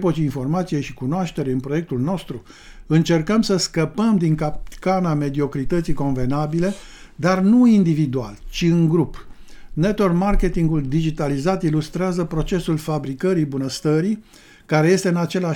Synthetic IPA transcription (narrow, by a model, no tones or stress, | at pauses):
pot͡ʃiinfo̞rmat̪sije̞ʃikunoaʃt̪e̞ɾeɨnpɾo̞je̞k̚t̪ulno̞st̪ɾu | ɨnt͡ʃe̞rkəmsəskəpəmd̪iŋkap̪kaname̞d̪io̞kɾit̪ət̪siko̞nve̞nabile | d̪arnuind̪ivid̪ua̰lt͡ʃiɨŋɡɾup | net̪ormarke̞t̪iŋɡuld̪id͡ʒit̪alizat̪ilust̪ɾeazəpɾo̞t͡ʃe̞sulfabɾikəɾibunəst̪əɾi | kaɾe̞je̞st̪e̞ɨnat͡ʃe̞la